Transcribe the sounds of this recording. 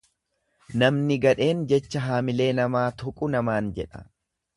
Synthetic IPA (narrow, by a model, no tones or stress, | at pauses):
nɐmnɪɡɐᶑe̞ːnd͡ʒɛt͡ʃːɐɦaːmɪle̞ːnɐmaːt̪ʊkʼʊnɐmaːnd͡ʒɛ̰ᶑɐ̰